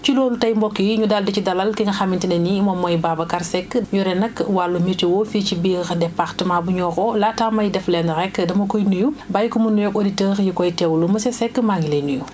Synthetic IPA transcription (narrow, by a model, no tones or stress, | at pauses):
t͡ʃilɔːlutɐjmbɔkːijɲudaldɐcidɐlɐlkɛŋɡɐxɐmintinɐnimɔmɔjbaːbɐkaɾsɛkːɲuɾɛnɐkwalːumiɾtiwɔfiːcibiːxdɛpaxtəmabuɲɔːxɔlaːtamɐjdɛflɛndɾɛkːdɐmɐkɔjnujubajkumunːujɔkɔditəːxjikɔjtɛwlumɐsɛsɛkːmaŋɡilenuju